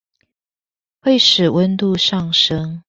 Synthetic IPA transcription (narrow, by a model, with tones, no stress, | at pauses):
we˥˩ɪʂɻ̩˨˩wə˦nt̪u˥˧ʂɑ˥˨ŋʂə˦ŋ